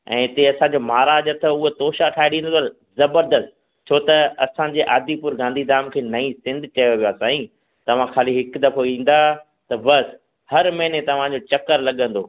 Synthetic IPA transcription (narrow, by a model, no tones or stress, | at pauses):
ɛ̰̃ːɪt̪eɐsãːd͡ʑoːmaːɾaːd͡ʑəɾt̪ʰɐʊɦet̪oːʃaʈʰaːeɗĩːna | zɐbəɾd̪əs | t͡ɕʰoːt̪ɐɐsãɲd͡ʑeːʔaːd̪ipʊɾɡãːnd̪ʱid̪aːmkʰeːnɐĩsɪ̃nd̪ʱt͡ɕɐjoʋijaːsaːĩ | t̪ɐʋ̤ãkʰaːliɦɪkd̪ɐfoĩːn̆d̪a | t̪ɐbɐs | hɐɾmɐɦɪnet̪ɐʋ̤ãd͡ʑot͡ɕɐkəɾlɐɠə̃nd̪oː